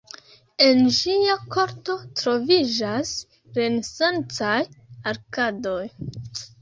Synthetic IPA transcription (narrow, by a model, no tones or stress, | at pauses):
e̞nd͡ʒiakʰo̞ɾto̞tɾo̞vid͡ʒas | ɾe̞nesant͡sajaɾkado̞j